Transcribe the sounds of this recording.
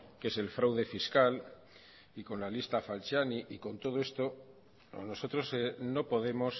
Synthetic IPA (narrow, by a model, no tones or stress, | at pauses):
ke̞se̞lfɾawðe̞fiskal | iko̞nlalist̪afalt͡ʃaniʔiko̞nt̪o̞ðoe̞st̪o̞ | no̞so̞t̪ɾo̞seno̞po̞ðe̞mo̞s